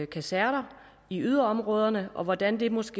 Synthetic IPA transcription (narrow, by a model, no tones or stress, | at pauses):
kʰæsæɐ̰ɾɐ | iyð̞ˠɐɒ̽mʁɔ̽ːðˠɐnəʔɒ̽ʋɒd̥ænd̥e̝mɒ̽sɡ̥e̝